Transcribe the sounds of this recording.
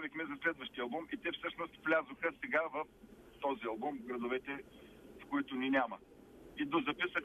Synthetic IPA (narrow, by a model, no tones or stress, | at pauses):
ɾavixmɛzɐslɛd̪vəʃt̪iɐlˠbumit̪ɛfsɤʃnost̪flʲazʊxəsɛɡavəf | t̪ɔziɐlˠbumɡɾɐd̪ovɛt̪ɛ | fkoit̪ʊninʲamə | id̪ozɐpisəx